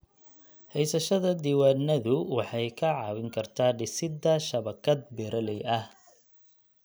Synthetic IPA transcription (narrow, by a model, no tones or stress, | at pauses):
hɛjsɐʃɐðɐd̪iːwaːnɐðʊwɑħɑjkʰɐʕɑ̰ːwɪŋkʰɐrt̪ʰaːɖɪsɪd̪ːɐʃɐβɐkʰɐd̪̚bɪɾɐlɛjʔɐh